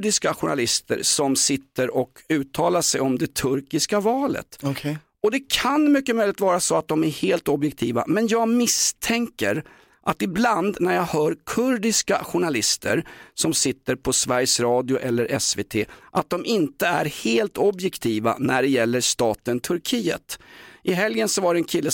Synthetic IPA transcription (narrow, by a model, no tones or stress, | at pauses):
ɖɪskaɧʊɳa̰lɪst̪ə̰ɾsɔmsɪt̪ːəɾɔkʰʉ̟ːt̪ʰɑːlaʂɛjɔmd̪ɛt̪ʰɵɾkɪskavɑːlə̰t̪ʰ | ɔd̪ɛkʰanmʏkːəmœʏjlɪt̪vɑːɾasɔat̪̚d̪ɔmæɾheːlt̪ɔbjɛkt̪ʰiːva̰mɛnjɑːɡmɪst̪ʰɛŋkəɾ | ʔat̪ɪbland̪næɾjɑːɡhœːɾkʰɵɾɖɪskaɧʊɳalɪst̪ʰə̰ɾsɔmsɪt̪ːəɾpʰɔsvæɾjsɾɑːd̪ɪʊʔɛlːəɾʔɛsveːt̪ʰeːʔat̪̚d̪ɔmʔɪnt̪əæɾheːlt̪ʰɔbjɛkt̪ʰiːva̰næɖɛjɛlːəʂt̪ɑːt̪ənt̪ʰɵɾkʰiːə̰t̪ʔɪɦɛljənsɔvaɖɛnkʰɪlːə